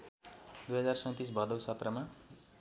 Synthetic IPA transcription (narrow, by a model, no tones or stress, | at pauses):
d̪ujɦʌd͡zarsʌ̃j̃t̪is̬bʱʌd̪ʌwsʌt̪rʌma